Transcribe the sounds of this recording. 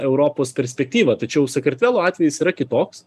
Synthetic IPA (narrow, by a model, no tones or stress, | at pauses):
ɛʊɾoːpoːspʲɛɾʲsʲpʲɛk̚t̪ʲiːʋɐt̪ɐt͡ʃʲɛʊsɐkɐɾʲt̪ʲʋʲæːlˠoːɑːt̪ʲʋʲɛjɪsiːɾɐkʲɪt̪oːks